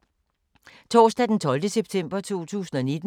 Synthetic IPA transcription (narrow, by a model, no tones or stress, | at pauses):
t͡sʰɒ̰ːsd̥æd̥ent͡sʰɒ̽ld̥əseb̥̚t͡sʰem̰b̥ɐt͡sʰo̝̰ːt͡sʰṵːsn̩ɒ̽ned̥